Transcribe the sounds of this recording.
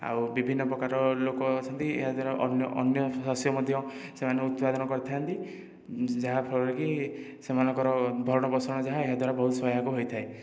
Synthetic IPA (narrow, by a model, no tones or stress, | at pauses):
a̰wbibʱinːɔpɾɔkaɾɔlokɔt͡ʃʰɔnt̪iḛɦad̪waɾaʔɔnjɔʔɔnjɔsɔsjɔmɔd̪ʱjɔsemaneut̪pad̪ɔnɔkɔɾit̪ʰiant̪i | d͡ʒaɦapʰɔɭɔɾekisemanɔŋkɔɾɔbʱɔɾɔɽ̃ɔbɔsɔɔɽ̃ɔd͡ʒaɦaeɦad̪waɾabɔɦut̪ʰswɔjɦakuɦojt̪ʰae